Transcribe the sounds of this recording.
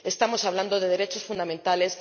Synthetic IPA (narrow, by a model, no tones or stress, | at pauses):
e̞st̪amo̞saβland̪oðe̞ðeɾet͡ʃo̞sfund̪amẽnt̪ale̞s